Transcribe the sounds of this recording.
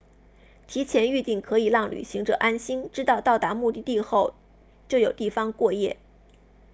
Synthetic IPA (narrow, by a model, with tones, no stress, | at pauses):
t̪ʰi˧˥t͡ɕʰjɛ˧˥ny˥˧t̪i˥˩ŋkʰɤ˧˥i˨˩lɑ˥˩ŋly̰˨˩ɕi˧˥ŋʈ͡ʂɤ˨˩ʔa˥nɕi˥nʈ͡ʂɻ̩˥t̪ɑ˥˧ʊt̪ɑ˥˩ʊt̪a˧˥mu˥˧t̪i˥˧t̪i˥˧xo˥˧ʊ | t͡ɕjo˥˩ʊjo˨˩ʊt̪i˥˩fɑ˥ŋkwɔ˥˧jɛ̰˥˩